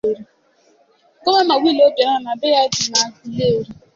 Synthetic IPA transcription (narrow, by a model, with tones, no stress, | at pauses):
e˨ɾi˨˦˨ | ko˦a˦ma˨ɡʷi˦˨lo˦de˨˦ɦɔ˦na˨be˦ja˦d͡ʒi˨na˨˦i˨le˦˨ɾi˦